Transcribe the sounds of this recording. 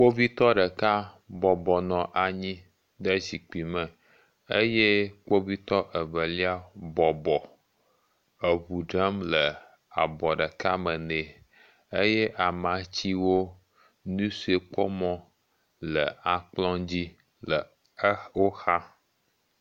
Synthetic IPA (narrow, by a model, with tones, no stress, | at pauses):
k͡po˦vi˦t̪ɔ˦ɖə˨ka˦ | bɔ˨bɔ˨nɔ̃˨ʔa˨ɲĩ˦ | ɖə˦zi˨k͡pi˨mə̃˨ | e˦jɛ˦k͡po˦vi˦t̪ɔ˦ʔə˨βə˨li˦a˦bɔ˨bɔ˨ | ə˨βu˨ɖə˦mlə˨ | a˨bɔ˨ɖə˨ka˦mə˨nẽ˨ | e˦jɛ˦ʔa˨mã˨t͡ɕi˦wo˦ | nũ˦si˦e˨k͡pɔ˦mɔ̃˦ | lə˨a˨k͡plɔ̃˦d͡ʑi˦ | lə˨˦ | wo˦xa˦